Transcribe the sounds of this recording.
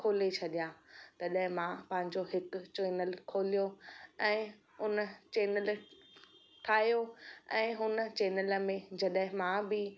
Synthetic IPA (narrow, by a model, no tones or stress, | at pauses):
kʰoːlet͡ɕʰɐɗijãt̪ɐɗɦɪ̃mãpɐ̃ɦɪ̃ɲd͡ʑoɦɪkʊ̆t͡ɕeːnəlkʰoːlijoɛ̃ː | ʊnət͡ɕeːnəl | ʈʰaːɦijoɛ̃ːɦʊnət͡ɕeːnələmẽd͡ʑɐɗɦɪ̃mãbɪ